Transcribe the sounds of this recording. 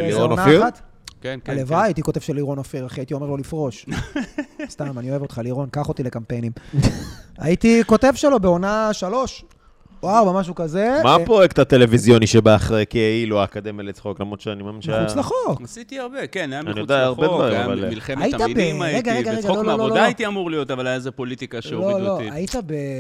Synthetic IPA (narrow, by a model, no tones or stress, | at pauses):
iʁonaat̪ | knalevaːjitiko̞t̪e̞vʃeliʁonofiʁaχiait̪io̞me̞ʁlo̞lifʁo̞ʃ | st̪amanio̞evo̞t̪χaliʁo̞nkaχo̞t̪ile̞kampejnim | a̰jit̪iko̞t̪e̞vʃelo̞beo̞naʃalo̞ʃ | oaʁbamaʃ̬ukazemapojekt̪at̪e̞levizjo̞niʃebaːχʁekiailuakad̪emelet͡sχo̞klamʁod̪ʃeanimaminʃeχut͡slaχokssit̪iaʁbekenaaaniod̪aaʁbevaʁimmava̰milemajit̪abeʁeɡaʁeɡaʁeɡaloololoajit̪iamuʁlijot̪avalajazepolit̪ikaʃeloloait̪abe